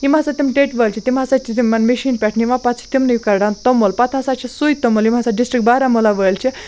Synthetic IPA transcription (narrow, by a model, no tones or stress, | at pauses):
imat͡sat̪imʈeʈʋəlt͡ʃʰit̪imasat͡ʃʰit̪imːɐnmeʃiːnpʲɛʈʰniimapat̪t͡sʰi̥t̪imnɨjkɐɾɽant̪ɔmolpat̪ʰasat͡ʃʰisujt̪ɔmolimasaɖisʈɾik̚baɾamolaʋəjlt͡ʃʰi